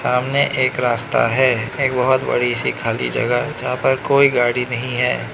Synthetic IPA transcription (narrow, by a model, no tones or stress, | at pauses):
saːmneʔeːkɾaːst̪a̰ɦɛːeːk̚bɐɦʊt̪bɐ̰ɽ̤isikʰaːlḭd͡ʒɐ̰ɡəɦd͡ʒɐɦãpɐɾkoːiɡaːɽinɐɦĩɦɛː